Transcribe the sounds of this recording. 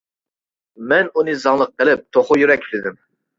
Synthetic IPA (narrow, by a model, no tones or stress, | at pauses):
mɛnunɨzɑŋlˠəq̚ːəlɪp̚t̪ʰoχʊjyɾɛkʲʰːlɪd̪ɪm